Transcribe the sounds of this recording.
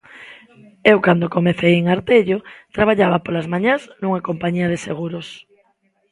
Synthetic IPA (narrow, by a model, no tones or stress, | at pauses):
ewkand̪okomeθejeŋaɾt̪eʎot̪ɾaβ̞aʎaβapolazmaɲaznũŋakompaɲiɐð̞eseɣuɾos